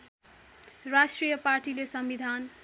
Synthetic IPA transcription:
rasʈrijʌparʈilesʌmbid̪ʱan

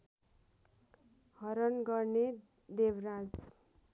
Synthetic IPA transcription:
hʌɾʌnɡʌrne | d̪ebrad͡z

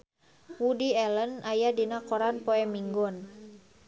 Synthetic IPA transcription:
wudiɛlənajadinakɔɾanpɔɛmiŋɡɔn

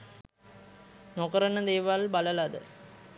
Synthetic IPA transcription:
noːkɐɾɐnɐd̪eːʋalbɐlɐlad̪ɯ̰

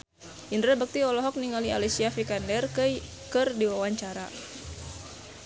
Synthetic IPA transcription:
ʔindɾɛbək̚t̪iɔlɔɦɔk̚niŋalia̰lisiafikandɛrk | kərdiwawaɲt͡ʃaɾa

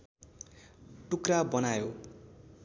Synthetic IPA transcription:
ʈukrabʌnajo

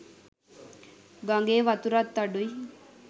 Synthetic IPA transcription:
ɡaŋɡeːʋat̪uɾat̪ːaɖuj

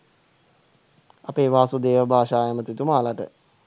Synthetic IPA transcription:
apeːʋaːsud̪eːʋəbʱaːʃaːjəmət̪it̪umaːlaʈə̰

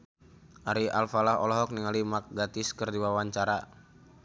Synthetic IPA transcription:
ʔaɾialfalaɦɔ̰lɔɦɔk̚niŋalimak̚ɡat̪ɪskərdiwawaɲt͡ʃaɾa

